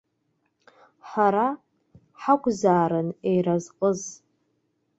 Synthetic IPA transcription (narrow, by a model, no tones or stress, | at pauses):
ħaɾa | ħakʷʰʼzaːɾɨnejrazqʼəz